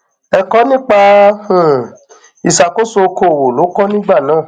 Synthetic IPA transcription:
ɛ˧kɔ˦nĩ˦k͡pa˧hũ˨ | i˨sa˨ko˦so˧ko˧˨wo˨lo˨˦kɔ˦nĩ˦ɡ͡ba˦˨nãː˨˦˨

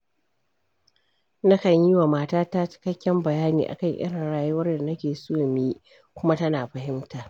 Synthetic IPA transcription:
na˦kɐ˨ɲji˦wa˨maː˨taː˦ta˦t͡ʃɪ̥˦kɐ˦kʲːɛ˦mbɐ˨jaː˦niː˨ʔa̰˨kɐ˦˨ɲʔʲɪ̰˦ɽɪ˨ŋɽaː˨jʊ˦wɐ˦rda˨nɐ˦kʲeː˨soː˦miː˦ | kʷʊ˦ma˦tɐ˦naː˨ɸɐ˦ɦɪ˦mtaː˨

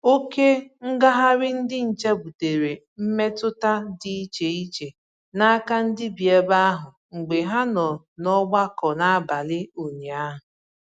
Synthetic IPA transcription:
o˦ke˦ŋ̩˦ɡa˦ɦa˦ɾɪ˦n̩˦dɪ˦n̩˨t͡ʃa˦bu˨te˨ɾe˨ | m̩˦me˦tʊ˦ta˦dɪ˦i˦t͡ʃe˨i˦t͡ʃe˨ | na˦a˦ka˦n̩˦dɪ˦bi˨e˦ba˦a˦ɦʊ˨ | ŋ͡m̩˨ɡ͡be˨ɦa˦nɔ˨ | nɔ˦ɡ͡ba˦kɔ˨na˦a˦ba˨lɪ˦o˨ɲe˨a˦ɦʊ˨

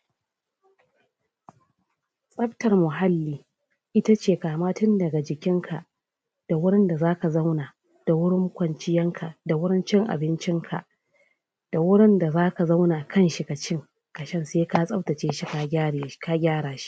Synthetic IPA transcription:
sʼɐ˦ɸtɐ˨rmʊ˨ɦa˦lːiː˨˦ | ʔɪ˦ta˦t͡ʃeː˨kaː˨maː˦tʊ˦ndɐ˨ɡa˨d͡ʒɪ˨kʲɪ˦ŋkʰa˨ʔ | d̥a˨wʊ˦ɽɪ˦nda˨zaː˦ka˨za˦wnaː˨ | d̥a˨wʊ˦ɽɪ˦ŋkʷɐ˨nt͡ʃɪ˦jɐ˦ŋkʰa˨da˨wʊ˦ɽɪ˦nt͡ʃɪ˦ŋʔa̰˨bɪ˦nt͡ʃɪ˦ŋkʰa̰˨ʔ | d̥a˨wʊ˦ɽɪ˦nda˨zaː˦ka˨za˦wnaː˨kʰɐ˦nʃi˨kɐ˨t͡ʃɪ˦ŋ | kɐ˨ʃɐ˦nseː˦ka˦sʼɐ˦wtɐ˨t͡ʃeː˦ʃi˦ka˦˨ka˦ɡʲaː˦ɽaː˨ʃi̥˦ʔ

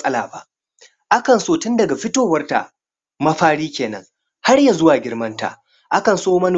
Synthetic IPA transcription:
sʼɐ˦laː˨ba̰˨ʔ | ʔa˦kɐ˨nsoː˨tʊ˦ndɐ˨ɡa˨ɸɪ˦toː˦˨wɐ˦rta̰˨ | mɐ˦ɸaː˦ɽiː˦kʲeː˨nɐ̰˦ŋ | ha˦rjaː˨zʊ˦waː˨ɡʲɪ˦rmɐ˦nta̰ː˨ | ʔa˦kɐ˨nsoː˦mɐ˦n˨

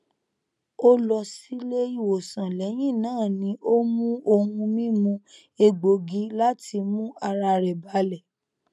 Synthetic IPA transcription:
o˦lɔ˧si˦le˦i˧˨wo˨sã˨lɛ˨˦j̃ĩ˦˨nãː˦˨nĩ˨˦ʔo˦mũ˦ʔo˧hũ˧mĩ˦mũ˦ | e˧ɡ͡bo˨ɡi˨˦la˦tʰi˧mũ˦a˧ɾa˧ɾɛ˨ba˨˦lɛ˨

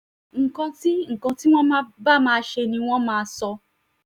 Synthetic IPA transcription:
ŋ̩˨kã˧ti˦ŋ̩˨kã˧ti˦w̃ɔ̃˦mã˦ba˦˨mãː˦˧ʃe˧nĩ˧w̃ɔ̃˦mãː˦sɔ˧

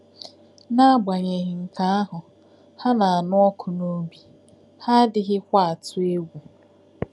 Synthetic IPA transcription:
na˦a˦ɡ͡ba˨ɲe˨ɣɪ˨ŋ̩˨ka˦a˦ɦʊ˨ | ha˦na˨a˨nʊ˦ɔ˦kʰʊ˨no˦bi˨ | ha˦dɪ˦ɦɪ˦kʷa˦a˨tʊ˦e˦ɡʷu˨

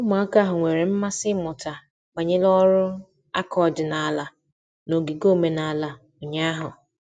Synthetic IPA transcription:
ʊ˦ma˨˦ka˦ɦʊ˨ŋʷe˨ɾe˨m̩˦ma˦sɪ˦mʊ˨ta˨ | k͡pa˨ɲe˦lɔ˦ɾʊ˦ | a̰˦kʰɔ˨d͡ʒɪ˨na˨a˨la˨ | no˨ɡi˨ɡo˦˨me˨na˨a˨la˨ | o˨ɲa˦a˦ɦʊ˨

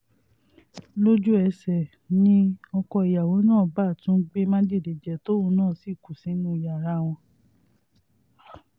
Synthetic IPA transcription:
lo˦d͡ʒu˦ɛ˧sɛ˨ | nĩ˦ɔ˧kɔ˧i˨ja˨wo˨˦nãː˦˨ba˦˨tũ˨˦ɡ͡be˦mã˦d͡ʒe˦˨de˨d͡ʒɛ˨to˦o˧˦nãː˦˨si˦˨ku˨sĩ˨˦nũ˦i˨ja˨ɾa˧˦w̃ɔ̃˧

